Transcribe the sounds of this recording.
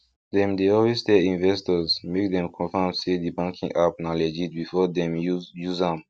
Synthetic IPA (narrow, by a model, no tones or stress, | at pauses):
dɛ̃mdeɔlwestɛĩnvɛstɔzmek̚dɛ̃mkʰɔ̃famsedibãŋkʰĩŋapnalɛd͡ʒit̚bifɔdɛ̃mjuzãm